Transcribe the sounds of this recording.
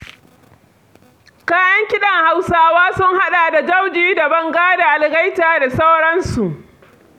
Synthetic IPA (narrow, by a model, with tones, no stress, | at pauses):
kaː˦jɐ˦ŋkʲɪ˦ɗɐ˨ŋha˦wsaː˦waː˦sʊ˦ŋha˦ɗaː˨da˨d͡ʒɐ˦wd͡ʒiː˦da˨bɐ˦ŋɡaː˦da˨ʔa˨lɡɐ˦jtaː˨da˨sa˦wɽɐ˦nsu˨ʔ